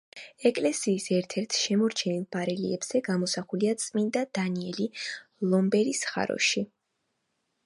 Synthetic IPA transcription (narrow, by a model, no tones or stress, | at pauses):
ɛkʼlɛsiːsɛɾt̪ʰɛɾt̪ʰʃɛmɔɾt͡ʃʰɛnilˠb̥aɾɛlḭɛbz̥ɛɡamɔsaχuliat̪sʼmind̪ad̪̥aniɛlilˠɔmbɛɾisχa̰ɾɔ̰ʃi